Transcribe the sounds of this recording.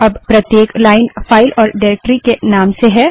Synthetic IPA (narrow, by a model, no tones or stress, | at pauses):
ɐbpɾɐt̪jeːklaːɪnfaːɪlʔɔːɾɖaːɾeːk̚ʈɾikenaːmseɦɛː